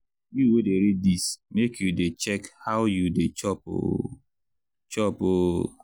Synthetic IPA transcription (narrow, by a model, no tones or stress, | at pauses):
juwedeɾid̚dismekjudet͡ʃɛkhaʊjudet͡ʃɔpo̰ | t͡ʃɔpo